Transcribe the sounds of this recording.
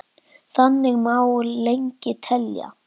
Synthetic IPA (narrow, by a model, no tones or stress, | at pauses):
θanːɪɣmaːwlejɲcɪt̪ʰɛlja̰